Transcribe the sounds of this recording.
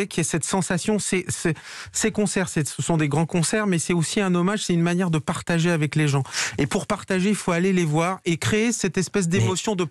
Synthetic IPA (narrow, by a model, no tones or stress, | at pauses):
ekʲiɛsɛt̪sɑ̃sasjɔ̃sɛsɛ | sekɔ̃sɛʁsɛsəsɔ̃d̪eɡʁɑ̃kɔ̃sɛʁmɛsɛosiɛ̃nɔmaʒsɛt̪ynmanjɛʁd̪əpaʁt̪aʒeavɛkleʒɑ̃epuʁpaʁt̪aʒeilfoalelevwaʁekχeːsɛt̪ɛspɛs̬d̪emɔsjɔ̃d̪ə